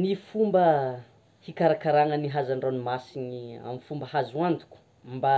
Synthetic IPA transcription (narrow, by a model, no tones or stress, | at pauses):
nifumbə | hikaɾakaɾaŋəniɦazaɳɖ͡ʐanimasiɲia̰mifumbəhazuant̪u̥kʲu̥ | mba